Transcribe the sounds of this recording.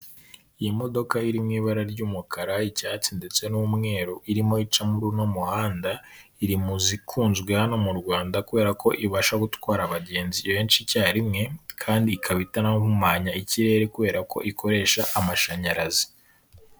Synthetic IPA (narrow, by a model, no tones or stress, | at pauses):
ijimo̞do̞kaiɾimŋiːβaɾaɾɟuːmukʰaɾaicaːt͡sinde̞t͡se̞nuːmŋe̞ːɾoʔiɾimo̞it͡ʃamuɾunomuhaːnda | iɾimuzikʰuːnzɡwe̞hano̞muɾɡwaːndakuβe̞ːɾako̞ʔiβaʃaɡutwaːɾaβaɟe̞ːnziβe̞ːnt͡ʃicaːɾimŋe̞kʰaːndiːkʰaβitanaβumaːɲaiciɾe̞ːɾekuβe̞ːɾako̞̰ʔikʰo̞ɾe̞ːʃaʔamaʃaɲaɾazi̥